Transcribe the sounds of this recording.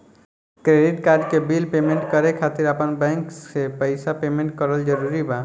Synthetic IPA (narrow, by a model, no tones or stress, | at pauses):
kɾeɖiʈkaɾd͡ʒkebilpemeɳʈkəɾekʰat̪iɾəpənbɛ̃ŋksepəɪsapemẽɳʈ̚kəɾəld͡ʒəɾuɾiba